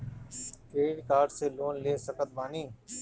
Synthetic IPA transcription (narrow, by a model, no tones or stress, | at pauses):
keːɽkaːɖseːloːnleːsəkət̪̚ʋaːniː